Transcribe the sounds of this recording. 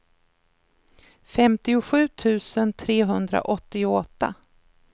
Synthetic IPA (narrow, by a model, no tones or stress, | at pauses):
fɛmt̪ɪʊɧʉ̟ːt̪ʰʉ̟ːsənt̪ʰɾeːɦɵnd̪ɾa̰ʔɔt̪ːɪʊɔt̪ːa̰